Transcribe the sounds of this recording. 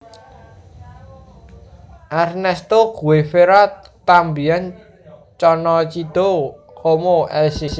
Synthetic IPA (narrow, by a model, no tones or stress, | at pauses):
ʔarnɛst̪oɡ̥uwefeɾat̪ambian | t͡ʃɔnɔt͡ʃid̪̥o | komoʔɛlsis